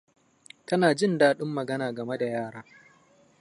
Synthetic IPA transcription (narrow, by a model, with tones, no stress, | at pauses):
tɐ˦naː˨d͡ʒɪ˦ndaː˦ɗʊ˦mːɐ˨ɡɐ˦naː˨ɡɐ˨me˦da˨jaː˦˨ɽaː˦